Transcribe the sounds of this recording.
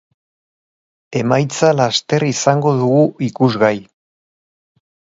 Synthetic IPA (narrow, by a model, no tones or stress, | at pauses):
e̞majt͡salast̪e̞risaŋɡo̞ðuɣuʔikuzɣaj